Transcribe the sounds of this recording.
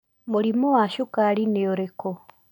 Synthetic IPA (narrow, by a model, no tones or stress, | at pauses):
moɾimowaʃukaɾineoɾekɔ